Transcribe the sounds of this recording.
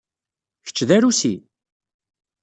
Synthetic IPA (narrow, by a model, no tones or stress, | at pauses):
çə̥t͡ʃːðæɾusḭ